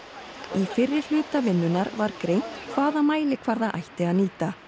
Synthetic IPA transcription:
ifɪrːɪɾ̥l̥ʏːt̪avɪnːʏnaɾvaɾkɾeːjn̥t̪kʰvaːðamaːjlɪkʰvaɾðaʔa̰jht̪ɪaðniːt̪a

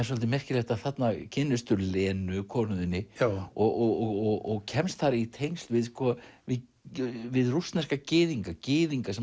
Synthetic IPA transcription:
ɛs̬ɔlt̪ɪmɛr̥cɪlɛjxt̪aðθat̪nacʰɪnːʏst̪ʏɾlɛːnʏkʰɔːnʏðɪnːɪɔɣɔɣɔɣɔɔɣcʰɛmst̪θaɾɪit̪ʰejnst̪lvɪðskɔvɪ | vɪðrust̪nɛskacɪːðiŋkacɪːðiŋkasɛ

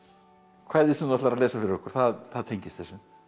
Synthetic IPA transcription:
kʰvaːjðɪsɛnat̪aɾalɛːsafɪɾɪɾɔhkʏɾ̥θaðθaðt̪ʰejɲcɪst̪θɛsːʏ

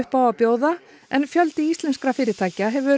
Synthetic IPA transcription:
hpaːwapjoːwða | ɛnfjœlt̪ɪist̪lɛnskɾafɪːɾɪt̪ʰaːjcaɦɛvʏ

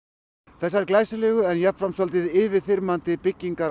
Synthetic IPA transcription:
θɛsːaɾklaːjsɪlɛːɣʏɛnjapfɾamsɔlt̪ɪðɪvɪðθɪɾmant̪ɪpɪcːiŋkaɾ

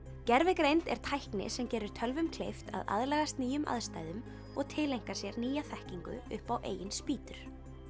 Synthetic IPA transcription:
cɛɾvɪkɾejnt̪ɛ̰ɾ̥t̪ʰajhknɪ̰sɛmcɛːɾʏɾ̥t̪ʰœlvʏmkʰlejft̪ʰa̰ða̰ðlɛːɣast̪niːjʏmʔa̰ðst̪aːjðʏm | ɔɣt̪ʰɪlejŋ̥kasjɛɾniːjaθɛhciŋkʏ̰ʏhpawʔḛːjɪnspiːt̪ʏɾ̥

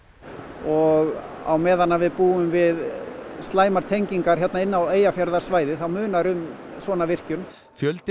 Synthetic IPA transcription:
ɔɣ | a̰wmɛːðanːavɪðpuːʏmvɪðst̪laːjmaɾ̥t̪ʰejɲciŋkaɾ̥çjɛt̪naɪnːaweːjafjaɾðḁsvaːjðɪθawmʏːnaɾʏm | svɔːnavɪr̥cʏm | fjœlt̪

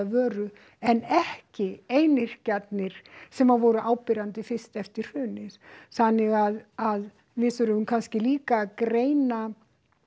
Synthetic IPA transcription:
vœːɾʏ | ɛnɛhcɪeːjnɪɾ̥cat̪nɪɾ̥sɛmaðvɔːɾʏʔaːwpɪɾant̪ɪfɪst̪ɛft̪ɪɾ̥hʏːnɪð̥θanːɪɣaðað | vɪðθœɾʏmʏmkʰanscɪliːkakɾeːjna

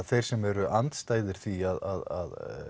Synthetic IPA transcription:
θejɾ̥sɛmɛɾʏʔant̪st̪aːjðɪɾ̥θviaða̰ða̰ð

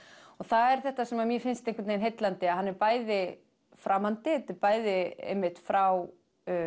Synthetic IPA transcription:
ɔɣθaðɛɾ̥θɛht̪asɛmamjɛfɪnst̪ejŋkʏt̪nejnɦejt̪lant̪ɪaɦanːɛɾpaːjðɪ | fɾʔamant̪ɪt̪ɪpaːjðɪɛ̰mːɪht̪fɾaw

